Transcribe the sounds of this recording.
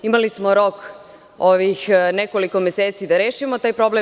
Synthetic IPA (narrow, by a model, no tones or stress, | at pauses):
imalismo̞ɾo̞k | oʋixnekoliko̞mjeseːt̪sid̪aɾeːʃimot̪aːjpɾo̞ble